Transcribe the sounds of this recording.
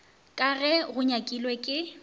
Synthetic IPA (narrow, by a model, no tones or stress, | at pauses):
kʼaɣɛɣʊɲakʼilwɛkʼɪ